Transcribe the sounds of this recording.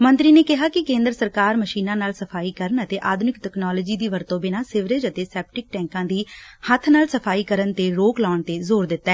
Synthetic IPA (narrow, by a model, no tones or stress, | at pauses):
mənt̪ɾiːneːkɪɦaːkɪkẽːnd̪ɾəsəɾkaːɾməʃiːnãːnaːlsəpʰaːiːkəɾənət̪eːʔaːd̪ʱʊnɪkʈɛːknɔːləːd͡ʒiːd̪iːʋəɾt̪õːbɪnãːsɪʋɾəd͡ʒət̪eːsɛːp̚ʈɪk̚ʈɛ̃ːŋkãːd̪iːhət̪ʰnaːlsəpʰaːiːkəɾənt̪eːɾoːklɔːəɳt̪eːzoːɾd̪ɪt̪ːɛː